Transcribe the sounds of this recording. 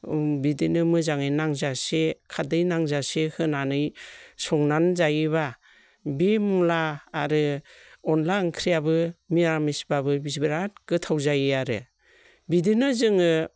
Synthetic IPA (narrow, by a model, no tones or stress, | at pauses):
bidinɯmɯzaŋɯjnaŋzasekʰadɯjnaŋzasehɯnanɯjsɔŋnanzajɯβa | bemulaːɾɯɔnlankʰɾijabɯmiɾamisbabɯbisbiɾat̚ɡ̥ɯtʰawzajɯaɾɯ̰ | bidinɯzɯŋɯ